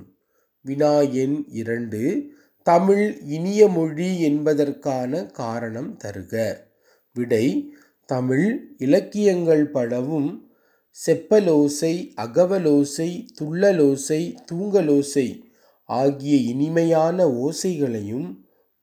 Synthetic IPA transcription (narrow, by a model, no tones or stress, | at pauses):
ʋɪnaːjɐnɪɾɐɳɖɯ | t̪ɐmɪɭɪnɪjɐmɔɻiɛnbɐðɐrkaːnɐkaːɾɐɳɐmt̪ɐɾɯɣɐ | ʋɪɽɐɪ | t̪ɐmɪɭɪlɐkːɪjɐŋɡɐɭpɐɽɐʋɯm | sɛpːɐloːsɐɪɐɣɐʋɐloːsɐɪt̪ʊɭːɐloːsɐɪt̪uːŋɡɐloːsɐɪ | ʔaːɣɪjɐɪnɪmɐjaːnɐoːsɐɪɣɐɭɐjɯm